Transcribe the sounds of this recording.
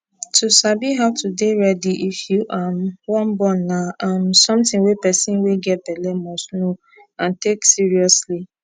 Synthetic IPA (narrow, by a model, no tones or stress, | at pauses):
tʰusabiɦaʊtudeɹɛdiʔifjuʔamwɔ̃nbɔ̃nːaãmsɔ̃mtĩŋwepɛsĩnweɡɛt̚bɛlɛmɔsno | ãnteksiɹiɔsli